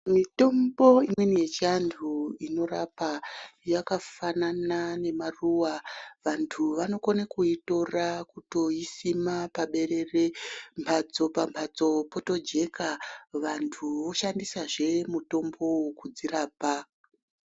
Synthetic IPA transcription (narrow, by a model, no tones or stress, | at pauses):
mito̞mbo̞imwenije̞t͡ʃiantʰuino̞ɾapajakafananane̞maruwaʋantʰuʋano̞konekuito̞rakuto̞isimapaɓe̞re̞rempʰat͡so̞pampʰat͡so̞po̞to̞d͡ʒe̞kaʋantʰuʋo̞ʃandisaʐe̞muto̞mbo̞ukud͡ziraːpa